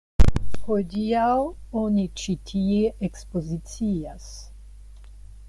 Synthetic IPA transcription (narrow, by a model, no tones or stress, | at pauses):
kojd̪iawɔnit͡ʃit̪ʰieekspozit̪t͡sias